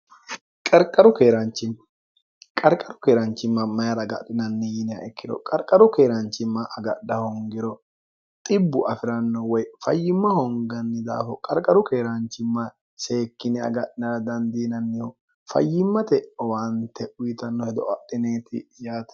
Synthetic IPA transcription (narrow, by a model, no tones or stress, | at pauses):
kʼɐɾkʼːɐɾʊkeːɾɐnt͡ʃːɪn | kʼɐɾkʼːɐɾʊ̥keːɾɐnt͡ʃːɪmːɐmɐjɐɾɐɡɐ̰ɗɪnɐnːɪjɪnjɐ̰ɛkːɪd̪ɔ̰kʼɐɾkʼːɐɾʊkeːɾɐnt͡ʃːɪmːɐʔɐɡɐɗːɐhɔŋɡɪɾɔ | t̪ʼɪbːʊʔɐfɪɾɐnːɔwɔjfɐjːɪmːɐhɔŋɡɐnːɪd̪a̰ːfɔkʼɐɾkʼɐɾʊkeːɾɐnt͡ʃːɪmːɐ | se̞ːkːɪnɪɐ̰ɡɐɗɪnɐɾɐd̪ɐnd̪iːnɐnːɪhɔ | fɐ̰jːɪmːɐt̪ɛwɐnt̪ːɛʊjɪt̪ɐnːɔhɛd̪ɔʔɐɗɪneːt̪ɪ̰jaːt̪